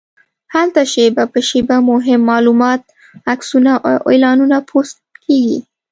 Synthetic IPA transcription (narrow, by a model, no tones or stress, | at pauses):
halt̪aʃebapəʃebamʊɦɪmːɑlumɑt̪̚ | aksunaʔelɑnunapʰost̪kʰeɡḭ